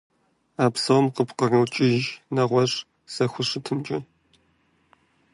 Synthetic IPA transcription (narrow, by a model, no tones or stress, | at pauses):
aːpsɐwmqəpqɐrɨwt͡ʃʼɪʒnɐʁʷɔɕ | sɐxʷʊʂɨtʰɨmt͡ʃʼɐ